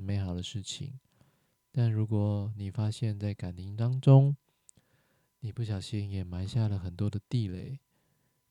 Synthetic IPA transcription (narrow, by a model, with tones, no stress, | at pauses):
me˧˥ɪxɑ˨˩ʊd̪ə˦ʂɻ̩˥˩t͡ɕʰḭ˨˩ŋ | t̪a˥˩nɻu˧˥kwɔ˨˩ni˨˩fa˥ɕjɛ˥˧nt͡sa˥˩ɪka˨˩nt̪i˧˥ŋt̪ɑ˥ŋʈ͡ʂʊ˦ŋ | ni˨˩pu˥˩ɕ̬jɑ˨˩ʊɕi˦˥njɛ˨˩ma˧˥˦nɕja˥˩lə˩xə˨˩nt̪wɔ˥d̪ə˨t̪i˥˧le˥˩ɪ